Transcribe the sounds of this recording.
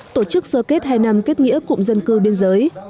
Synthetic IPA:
t̪o˧˩t͡ɕɨ˦˥k̚zəː˧ke˦˥t̚ɦaː˧jna˧mke˦˥t̚ŋḭ˧˥əkʊ̰˧˨ŋ͡mzə˧nkɨ˧ɓi˧ənzəː˨˦j

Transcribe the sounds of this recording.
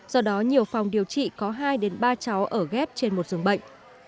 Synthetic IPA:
z̥ɔ˧ɗɔ˨˦ɲi˨˩əwfa˨˩wŋ͡mɗi˨˩əwt͡ɕḭ˧˨kɔ˨˦ɦaː˧jɗe˨˦nɓaː˧t͡ɕa˨˦wʔəː˧˩ɣɛ˦˥p̚t͡ɕe˧nmo˨˩t̚zɨ˨˩əŋɓə̰˧˨ŋ̟

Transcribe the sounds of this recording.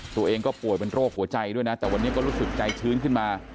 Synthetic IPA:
t̪u˧ɐʔeː˧ŋkɔː˥˩pu˨˩jpe˧nɾoː˥˩k̚hu˩˦ɐt͡ɕa˧jdu˥˩əjna˦˥t̪ɛː˨˩wa˧nːi˦˥kɔː˥˩ɾuː˦˥sɯ˨˩k̚t͡ɕa˧jt͡ɕʰɯː˦˥nkʰɯ˥˩nmaː˧

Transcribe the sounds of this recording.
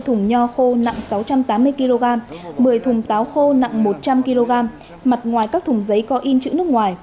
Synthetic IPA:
t̪ʰʊ˨˩ŋ͡mɲɔ˧xo˧na̰˧˨ŋsa˨˦wt͡ɕa˧mt̪aː˨˦mːɨ˧əjki˧lo˧ɣaː˧mɓɨ˨˩əjt̪ʰʊ˨˩ŋ͡mt̪aː˨˦wxo˧na̰˧˨ŋmo˨˩t̚t͡ɕa˧mki˧lo˧ɣaː˧m | ma˨˩t̚ŋwaː˨˩jkaː˦˥k̚t̪ʰʊ˨˩ŋ͡mzə˨˦jkɔ˨˦ʔi˧nt͡ɕɨ̰˧˥nɨ˦˥əkŋwaː˨˩j

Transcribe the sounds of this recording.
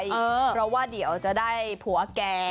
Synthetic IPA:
jʔɤː˧˦pɾɔ˦˥waː˥˩di˩˦əwt͡ɕa˨˩daː˥˩jpʰu˨˩˦ɐkɛː˧

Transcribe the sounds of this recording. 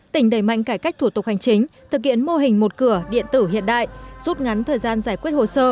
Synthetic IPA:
t̪ï˧˩ŋ̟ɗə˧˩jma̰˧˨jŋ̟kaː˧˩jka˦˥jk̚t̪ʰu˧˩t̪ʊ˨˩k̚ha˨˩jŋ̟t͡ɕï˨˦ŋ̟t̪ʰɨ˨˩k̚hḭ˧˨ənmo˧ɦï˨˩ŋ̟mo˨˩t̚kɨ˧˩əɗḭ˧˨ənt̪ɨ˧˩hḭ˧˨ənɗa̰ː˧˨jʔzu˦˥t̚ŋa˨˦nt̪ʰəː˨˩jzaː˧nzaː˧˩jkwi˦˥ət̚ho˨˩səː˧

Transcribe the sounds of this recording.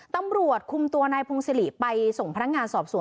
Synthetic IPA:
t̪a˧mɾu˨˩ət̪̚kʰu˧mt̪u˧ənaː˧jpʰo˧ŋse˧˥li˨˩pa˧jso˨˩ŋpʰa˧na˥ŋaː˧nsɔː˨˩p̚su˨˩˦

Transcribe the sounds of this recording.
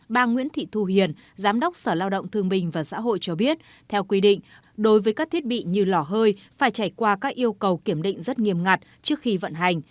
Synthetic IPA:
ɓaː˧ŋwḭ˧˥ənt̪ʰḭ˧˨t̪ʰu˧hi˨˩ən | zaː˨˦mɗə˦˥k͡p̚səː˧˩laː˧wɗə̰˧˨wŋ͡mt̪ʰɨ˧əŋɓï˨˩ŋ̟vaː˨˩sa̰ː˧˥ɦo̰˧˨jt͡ɕɔ˧ɓi˦˥ət̚ | t̪ʰɛ˧wkwi˧ɗḭ˧˨ŋ̟ | ɗo˨˦jvəː˨˦jkaː˦˥k̚t̪ʰət̚ɓḭ˧˨ɲɨ˧lɔ˧˩ɦəː˧jfaː˧˩jt͡ɕaː˧˩jkwaː˧kaː˦˥k̚ʔi˧əwkə˨˩wki˧˩əmɗḭ̈˧˨ŋ̟zə˦˥t̚ŋi˨˩əmŋa˨˩t̚t͡ɕɨ˦˥ək̚xi˧və̰˧˨nɦa˨˩jŋ̟

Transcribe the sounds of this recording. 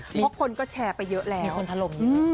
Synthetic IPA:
pʰɔ˦˥kʰo˧nkɔː˥˩t͡ɕʰɛː˧pa˧jːɤ˦˥ʔlɛː˦˧˥wʰnt̪ʰa˦lo˨˩ŋɯː˦˧

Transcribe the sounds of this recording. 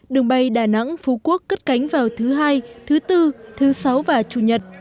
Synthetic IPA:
ɗɨ˨˩əŋɓa˧˩jɗaː˧˩na̰˧˥ŋfu˨˧˩ku˦˥əkːə˦˥t̚ka˨˦jŋ̟vaː˨˩wt̪ʰɨ˨˦ɦaː˧jt̪ʰɨ˨˦t̪ɨ˧t̪ʰɨ˨˦sa˨˦wvaː˨˩t͡ɕṵ˧˩ɲə˨˩t̚

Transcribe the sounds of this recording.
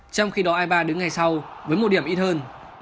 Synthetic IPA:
t͡ɕɔ˧wŋ͡mxi˧ɗɔ˨˦ʔaː˧jɓaː˧ɗɨ˨˦ŋa˨˩jsa˧wvəː˨˦jmo˨˩t̚ɗi˧˩əmʔi˧t̚həː˧n

